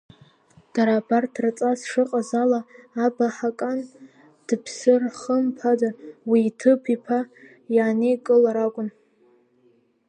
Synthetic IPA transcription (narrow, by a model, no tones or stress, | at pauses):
d̥aɾabartʰrat͡sʼasʂɨqʼazalaːbaħakʼan | d̥ɨpʰsɨrχəmpʰadawiːtʰɨpʰipʰa | jaːnejkʼɨlaɾaɡʷʼʊn